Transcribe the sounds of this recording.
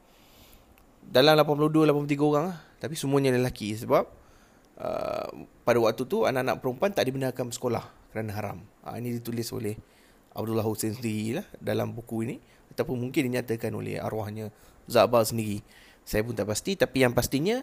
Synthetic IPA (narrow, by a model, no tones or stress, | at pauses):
dalamlapanpludulapanmplot̪iɡəoɣaŋlaht̪apisəmuaɲələlakis̬əbap̚ | ʔə̰padawak̚t̪ut̪ua̰naʔanã̰ʔpəɾumpuant̪aʔdibənarkanəsə̥kola̰hkəɾanaɦaɾa̰mə̰inidit̪ulɪso̰lɛh | a̰b̚dulaɦusensəndiɾilahdala̰mbukuini | at̪apʊnmuŋkɪndiɲat̪əkano̰lɛ̰ha̰ɾwahɲazaʔbalsəndiɾi | sajap̬ʊnt̪aʔpast̪it̪apijaŋpast̪iɲə